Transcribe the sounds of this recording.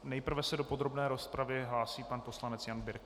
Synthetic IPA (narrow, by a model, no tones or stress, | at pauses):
nɛjpr̩vɛsɛdopo̞d̪ɾo̞bnɛːɾo̞spɾavɪɦlaːsiːpanpo̞slanɛt͡sjanbɪɾk